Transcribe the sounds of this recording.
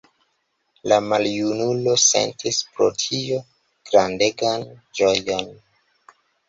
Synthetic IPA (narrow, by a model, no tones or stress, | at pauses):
lamaljunulo̞se̞̰ntʰispɾo̞̰tʰio | ɡ̥ɾande̞ɡand͡ʒo̞jo̞n